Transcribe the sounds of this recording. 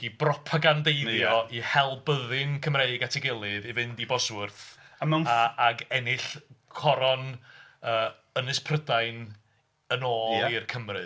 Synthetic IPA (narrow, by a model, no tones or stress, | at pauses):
ibrɔpʰaɡandejðjɔʔihɛlˠbəðɨnkʰəmreɨɡatʰɪɡɪlˠɨðivɪndibɔswʊrθamanaaɡɛnɪɬkʰɔɾɔnəː | ənɨspʰrədajn | ənoːlˠirkʰəmrɨ